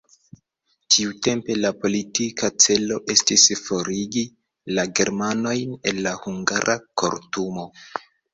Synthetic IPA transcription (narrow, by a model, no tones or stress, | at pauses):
tiute̞mpe̞lapo̞litikat͡se̞lo̞ʔe̞stisfo̞ɾiɡi | laɡe̞ɾmano̞jne̞nːahuŋɡaɾʔako̞̰ɾtumo̞